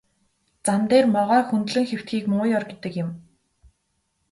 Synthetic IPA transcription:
t͡samt̪eːrmɔʁaːxunt̪ɮɘ̆ŋxew̥t̪̚ɡiːkmɵŋʊjɔrɡet̪ɘ̆kjɪ̆m

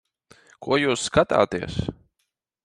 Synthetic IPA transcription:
kʰuɔjuːsːkat̪a̰ːt̪iɛs

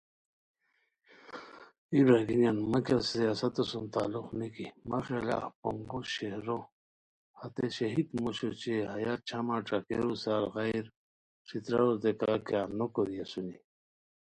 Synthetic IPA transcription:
ibɾaɡinjanmakʲasijasat̪asunt̪aːluxnikimaχela̰poŋɡuɕehɾo | hat̪eɕɐɦid̪muɕot͡ɕeɦajat͡ɕʰamaʈ͡ʂakḛɾusalɣajɾ | ʂit̪ɾaod̪ekakjanokoɾiasuni

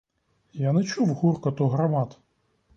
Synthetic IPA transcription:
janɨt͡ʃuwɣurkɐt̪uɣɾamat̪

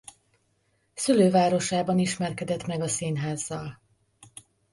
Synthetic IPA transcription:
syløːvaːɾo̞ʃaːbɒniʃmɛrkɛd̪ɛt̪mɛɡɒsiːnɦaːzːɒl

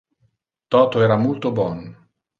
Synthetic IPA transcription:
t̪ɔːt̪oɛːɾamolt̪obɔn

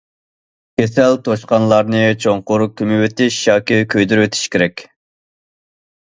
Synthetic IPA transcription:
kʲʰesɛlt̪ʰoʃqɑnlˠɑɾnɨt͡ʃʰoŋqʊɾkʲʰymɪwet̪ʰɪʃjɑːkʲɪkʲʰøjd̪yɾwet̪ʰɪ̥ʃkʲʰeɾɛkʲ

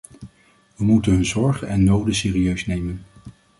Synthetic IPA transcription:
ʋəmutənɦɵnzɔɹχənɛnːowdəsɪːriøɥsnejmən

